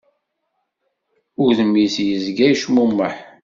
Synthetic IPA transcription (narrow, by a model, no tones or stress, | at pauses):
ʊðəmːisjəzɡæjʃmumːəħ